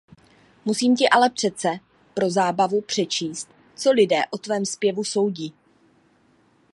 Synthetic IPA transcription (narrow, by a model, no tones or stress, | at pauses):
musiːmcɪʔalɛpr̝̥ɛt͡sɛ | pɾo̞zaːbavupr̝̥ɛt͡ʃiːst̪̚ | t͡so̞lɪdɛ̰ːʔot̪vɛːmspjɛvuso̞wɟiː